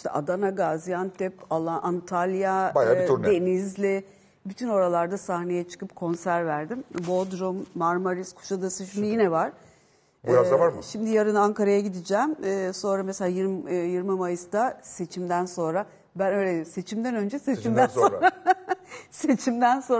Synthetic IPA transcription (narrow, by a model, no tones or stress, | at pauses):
iʃt̪ʰɛʔad̪anaɡazjant̪ʰɛpalˠaʔant̪ʰalʲjabajaud̪e̞nizlʲɪ | byt̪ʰyno̞ɾalˠaɾd̪asahnejɛt͡ʃʰɯ̥kɯpkʰo̞nsæɾvæɾd̪imbo̞d̪ɾumːaɾmaɾiskʰu̥ʃad̪asɯʃimd̪ijinɛvaɾ̥ | buɾazd̪avaɾmɯʃimd̪ijaɾɯnaŋkaɾajaɟid̪id͡ʒɛmɯːso̞nɾameselʲaːjiɾjiɾmɯmajɯsd̪ase̞t͡ʃʰimd̪ænso̞nɾa | bænø̞jlʲemse̞t͡ʃʰimd̪ænø̞nd͡ʒɛset͡ʃimænsoɾa | se̞t͡ʃʰimd̪ænso̞n